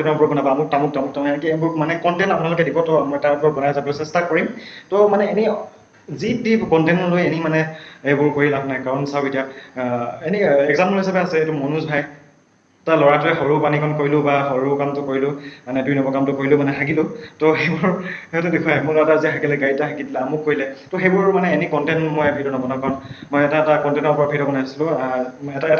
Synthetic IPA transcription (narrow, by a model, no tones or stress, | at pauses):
tapɹɔbɔnabaamʊɹtamʊk̚tamʊk̚tamɛnikiebʊɹmanɛkɔntɛnapunalokɛdibɔtɔamɔɛtapɹɔbɔnajzabɔɔsɛstakoɹimtɔmanɛeni | zidibkɔntɛnɔlojenimanɛejbʊɹkoɹilaknajkaɹɔnsaʊetija | eniɛɡzampɔlɦisabɛasɛetumɔnusbʱaj | ɛtalɔɹatʊɛxɔɹupanikʰɔnkoɹilʊ̃baxɔɹukamtʊkoɹilʊ̃manɛduinɔbɔkamtʊkoɹilʊmanɛtʰaɡilʊ̃tɔxejbʊɹɛɔtɛdekʰuwajmʊlɔataziaɦakɛlɛɡaitaɦʰakidilɛamʊkːoɹilɛtɔxejbʊɹmanɛenikɔntɛntmɔjbʱidɔnɔbɔnakaɹɔnmɔjɛtaɛtakɔntɛnɔɹpɔɹabʱidɔbɔnajasilʊ̃ɛtaɛta